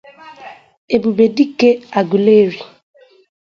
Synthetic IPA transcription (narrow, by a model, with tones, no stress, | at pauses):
e˨bu˨be˨di˦ke˦a˨ɡu˨le˦ɾo˨